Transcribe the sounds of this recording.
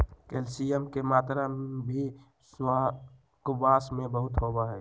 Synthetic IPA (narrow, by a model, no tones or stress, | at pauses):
kelsiəmkemaːt̪ɾabʱi | s | kʊbaːsmẽbəɦʊt̪ɦobaɦɛː